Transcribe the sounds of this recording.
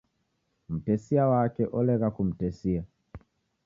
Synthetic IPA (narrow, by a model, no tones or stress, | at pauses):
m̩tɛsiawakɛʔɔlɛkakum̩tɛsia